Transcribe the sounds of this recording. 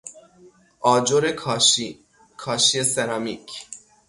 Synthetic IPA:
ʔɒːd͡ʒoɾekʰːʃi | kʰɒːʃieseɾɑmicʰ

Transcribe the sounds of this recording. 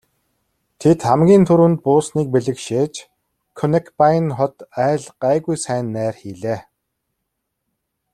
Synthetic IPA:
t̪ʰet̪χamɡʲiːnt̪ʰɵɾŭnt̪̚pʊːsniːk̚peɮɘ̆kʃeːt͡ɕ | kʰɔnekʰpajnχɔt̪æːɮɢ̥æːɣujsæːnːæːrxiːɮeː

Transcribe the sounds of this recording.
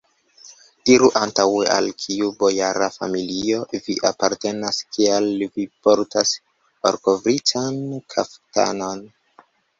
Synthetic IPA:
d̥iɾuʔantaweʔa̰lkʰiubo̞jaɾafa̰milio̞viʔapaɾte̞naskialvipo̞ɾtas | oɾkovɾitankʰa̰fta̰no̞n

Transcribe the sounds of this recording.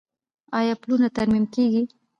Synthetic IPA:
ɑjɑplunat̪aɾmimkeɡi

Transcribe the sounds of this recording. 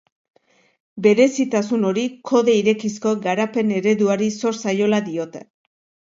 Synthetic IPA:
be̞ɾe̞sit̪asuno̞ɾikʰo̞ðe̞iɾe̞kisko̞ɡaɾape̞ne̞ɾe̞ðuaɾiso̞ɾsajo̞laðio̞t̪e

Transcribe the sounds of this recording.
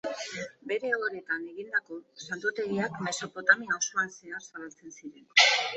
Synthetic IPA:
be̞ɾe̞oɾe̞t̪ane̞ɣind̪ako̞sant̪ut̪e̞ɣiakme̞so̞po̞t̪aminawso̞anse̞arsaβalt͡se̞nsiɾe̞n

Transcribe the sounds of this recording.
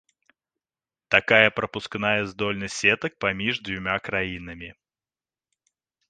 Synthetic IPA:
t̪akajɐpɾɐpʊsknajɛzd̪ɔlʲnɨsʲɛt̪ək̚pamʲiʐd̪vʲʊmʲakɾajin̪ɐmʲi

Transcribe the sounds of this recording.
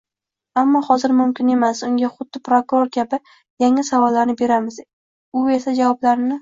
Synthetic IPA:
amːɒhɒzɪɾmʊmkʲʰɪne̞masʊŋɡʲaχʊd̪ːɪpɾokʊɾoɾkʲʰabɪ | jaŋasavɒlːaɾnɪbe̞ɾamɪz | ʊe̞sad͡ʒavɒblaɾɪnɪ

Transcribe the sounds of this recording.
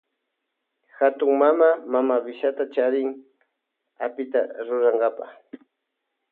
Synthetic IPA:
xat̪ʊŋmamamamabɪʃat̪at͡ʃaɾɪŋ | apɪt̪a̰ɾʊɾaŋɡapa̰χ

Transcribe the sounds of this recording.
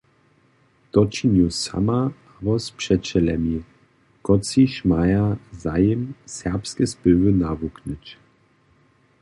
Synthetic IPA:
d̪̥ɔt͡ʃinusa̰ma | abɔspʂɛt͡ʃɛlɛmi | kɔt͡siʃmajazajəmsɛʁpskɛspɘvənavuknət͡ɕ

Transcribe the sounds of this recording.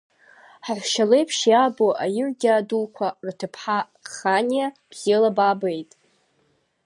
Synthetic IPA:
ħaʕʷʃalejpʰʃjaboʔajɪrɡʲaːdulkʷʰartʰɨpʰħa | χanijab̥z̥elababejtʼ

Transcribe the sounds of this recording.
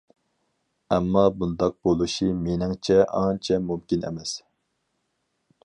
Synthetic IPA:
ɛmːɑbund̪ɑq̚bolˠuʃimenɪŋt͡ʃʰɛʔɑnt͡ʃʰɛmumkʲinɛ̰mɛs

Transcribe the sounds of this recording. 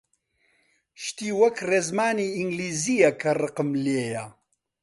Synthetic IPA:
ʃt̪iːwɐkreːzmaːniːiŋɡliːzijɐkʰɐrɨqɨmleːjɐ

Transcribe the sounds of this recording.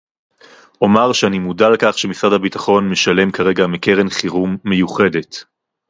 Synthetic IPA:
ʔo̞maʁʃeanimudalekaχʃemisʁadhabitaχo̞nmeʃale̞mkaʁe̞ɡameke̞ʁenχiʁumːe̞juχe̞de̞t

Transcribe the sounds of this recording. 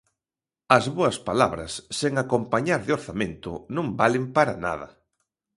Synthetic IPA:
ɐzβoɐspalaβɾɐ̰sːeŋakompaɲaɾðɪoɾθamẽnt̪ʊ̰nõmbalɪmpaɾana̰ðɐ̰

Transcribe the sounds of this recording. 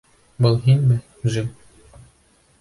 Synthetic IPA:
bɤlˠɦinʲmɘ | ʒɘm

